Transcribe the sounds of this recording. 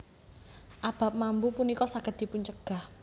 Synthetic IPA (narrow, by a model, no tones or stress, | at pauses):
ʔab̥a̤p̚mambupunikɔsaɡ̥ətd̪̥i̤pʊɲt͡ʃəɡ̥a̤h